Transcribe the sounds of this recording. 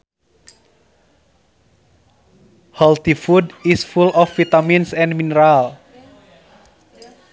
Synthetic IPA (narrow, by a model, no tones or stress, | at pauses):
hɔlt̪ifudisfulʔɔfːit̪aminsɛ̃nminəɾal